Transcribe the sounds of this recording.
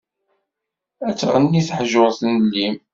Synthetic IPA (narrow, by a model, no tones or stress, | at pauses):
æt͡sːʁənːiθħʒoʁˤθənlːim